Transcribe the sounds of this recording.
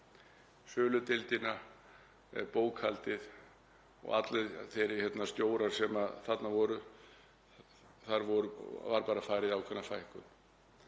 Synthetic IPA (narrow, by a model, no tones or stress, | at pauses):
sœːlʏt̪ɪlt̪ɪna | poːwkhalt̪ɪð | ɔ̰ɣa̰t̪lɛðθejɾɪ̥çjɛt̪nast̪joːwɾaɾ̥sɛmaðθat̪navɔːɾʏ | θaɾvɔɾʏvaɾpaːɾafaːjɾɪðawkʰvɛnːafajhkʏn